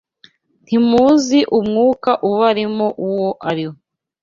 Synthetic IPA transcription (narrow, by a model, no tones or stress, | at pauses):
n̥imuziʔumŋuːkaʔuβaɾimoʔuwoʔaɾihoo